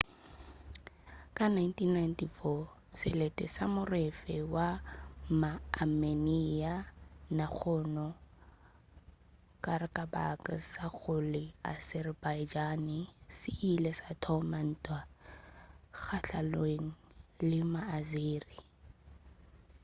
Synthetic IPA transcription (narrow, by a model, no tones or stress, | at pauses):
kʼanajntʰinːajntifɔ | sɪletʼɛ̰samʊrɪfɛwamaːmenianak͡xʰʊnɔ | kʼarɪkʼaba̰kʼasaɣʊlɪa̰sɛrbaɪd͡ʒanɪsɪʔilɛsatʰɔman̩ːtʼwa | k͡xʰaɬalweŋ̩lɪmaːzeːri